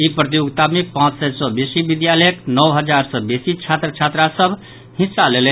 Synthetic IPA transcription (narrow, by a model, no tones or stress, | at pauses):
ipɾət̪ijoɡt̪amepãt͡ʃsɛsɔbesibid̪jaləəknɔwɦəd͡ʒaɾsɔbesit͡ʃʰat̪ɾət͡ʃʰat̪ɾasəbʱ | hĩsːalele